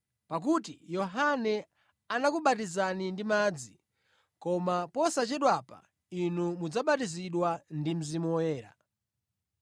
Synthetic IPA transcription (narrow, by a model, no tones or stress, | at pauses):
pak̬ut̬ijɔɦanɛ | anakuɓatizanindimaːd͡zi | kɔmapɔsat͡ʃɛɗwapa̰ | inumud͡zaɓatiziɗwandim̩zimɔjɛːɾa̰